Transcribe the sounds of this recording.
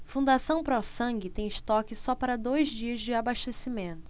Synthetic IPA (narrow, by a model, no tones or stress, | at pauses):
fũnd̪asɐ̃w̃pɾɔsɐ̃ŋɡɪt̪ẽj̃ɪʃt̪ɔkɪsɔpaɾɐd̪ojzd͡ʒiɐzd͡ʒɪabaʃt̪esimẽnt̪ʊ̥